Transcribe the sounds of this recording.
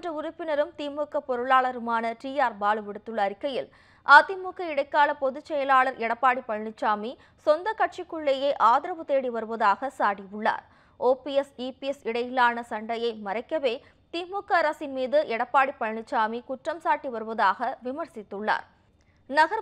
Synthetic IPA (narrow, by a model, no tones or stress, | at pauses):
drɐʊɾʊpːɪnɐɾɯmt̪iːmːuːkːɐpːɔɾɯɭaːɭɐɾɯmaːnɐʈiːjaːɾbaːɭɯʋɪɽɯt̪ːɯɭːɐːɾɪkːɐjɪl | ʔaːt̪imuːkːɐɪɽɐɪkːaːɭɐpɔðɯt͡ʃːɛjɐlaːɭɐɾɛɽɐpːaːɽipːɐɻɳɪt͡ʃːaːmi | sɔnd̪ɐkːɐʈ̚t͡ʃikːʊɭːɐjɐɪʔaːðɪɾɐʋɯt̪eːɽiʋɐɾɯʋɐðaːɣɐsaːɽijʊɭːa̰ːɾ | oːpiɛsiːpiɛsɪɽɐjɪlaːnɐsɐɳɖɐjɐɪmɐɾɐɪkːɐʋeː | t̪iːmːuːkːɐːɾɐsɪnmiːðɯʔɛɽɐpːaːɽipːɐɻɳɪt͡ʃːaːmikʊʈrɐmsaːʈːiʋɐɾɯʋɐðaːɣɐʋɪmɐɾsɪt̪ːɯɭːa̰ːɾ | nɐɣɐɾ